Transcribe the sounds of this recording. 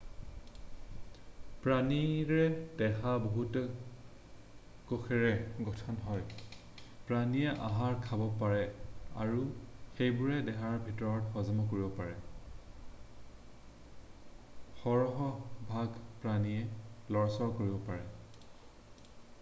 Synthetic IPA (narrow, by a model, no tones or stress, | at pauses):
pɹaniɹɛdɛxaboɦutɔ | koxʰɛɹɛɡɔtʰɔnɦɔj | pɹaniɛʔaɦaɹkʰabɔpaɹɛa̰ɹuxejbuʊɹɛdɛxaɹbʱitɔɹɔtxɔzɔmɔk̬oɹibɔpaɹɛ | xɔɹɔɦɔbʱaɡpɹaniɛlɔɹsɔɹkoɹibɔpaɹɛ